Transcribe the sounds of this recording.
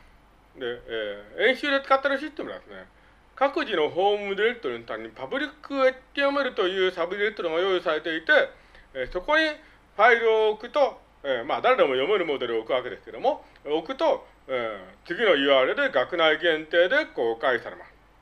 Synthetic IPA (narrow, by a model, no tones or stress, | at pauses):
d̪e̞ẽ̞ɰ̃ɕɨːd̪e̞t͡sɨ̥kat̪ːeɾɯɕist̪emɯɾad̪esɨne̞̰ | kakɯ̟ʑino̞ɦo̞ːmɯ̟d̪ʲiɾe̞kɯ̥t̪oɾɯ̟not̪ameɲ̟ipabɯ̟ɾʲikːɯet̪ːe̞jo̞me̞ɾɯ̟t̪o̞jɯ̟ːsabɯd̪ʲiɾekɯ̥t̪oɾɯŋojo̞ːjɯsaɾe̞t̪e̞it̪e̞ | so̞ko̞ɲ̟i | ɸaiɾɯ̟okɯ̟t̪o̞ | emad̪aɾe̞d̪e̞mo̞jo̞me̞ɾɯ̟mo̞d̪e̞ɾɯ̟okɯ̟ake̞d̪e̞sɨ̥ke̞d̪o̞mo̞ | okɯ̟t̪o̞ | et͡sɨɡʲino̞jɯ̟ːaɾed̪e̞ɡakɯ̟naiɡẽ̞nt̪e̞ːd̪e̞ko̞ːkaisaɾe̞̰ma̰sɨ̥